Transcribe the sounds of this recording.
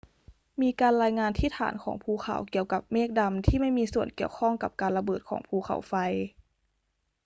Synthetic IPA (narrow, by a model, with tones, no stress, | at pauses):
miː˧kaː˧nɾaː˧jŋaː˧nt̪ʰiː˥˩t̪ʰːa̰ː˩˦nkʰɔː˩˦ŋpʰuː˧˩kʰa̰˨˩˦wki˨˩˨əwka˨˩˦p̚meː˥˩k̚da˧mt̪ʰiː˥˩ma˥˩jmiː˧su˨˩ənki˨˩əwkʰɔ˥˩ŋka̰˨˧˩p̚kaː˧nla˧bɤː˨˩t̪̚kʰɔ̰ː˩˦ŋpʰuː˧˩xʰa̰˨˩˦wfa˧j